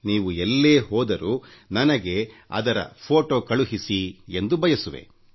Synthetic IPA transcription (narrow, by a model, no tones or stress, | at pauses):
niːʋuelːeːɦɔːd̪ɐɾunɐnɐɡe̞ɐ̰d̪ɐɾɐ̰pʰoːʈoːkɐɭuɦisie̞nd̪ubʱɐjɐsuʋe̞̰